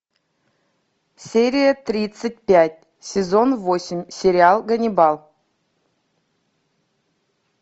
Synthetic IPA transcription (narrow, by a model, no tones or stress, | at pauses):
sʲeɾʲijət̪rʲit̪sət̚ʲpʲætʲ | sʲezonvosʲɪmʲsʲeɾʲiɑlˠɡənʲibɑlˠ